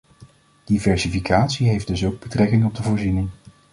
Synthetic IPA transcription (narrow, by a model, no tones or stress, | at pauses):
d̥ivɛɹsifikaːtsiɦejfd̥ɵsowɡ̚bətrɛkɪŋɔb̚dəvʊːɹzinɪŋ